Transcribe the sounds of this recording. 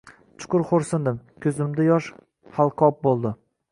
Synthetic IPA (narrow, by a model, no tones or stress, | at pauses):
t͡ʃʰʊ̥qʊɾχoɾsɪnd̪ɪmkʲʰɵzɪmd̪ajɒʃ | halˠqʰɒp̚bolˠd̪ɪ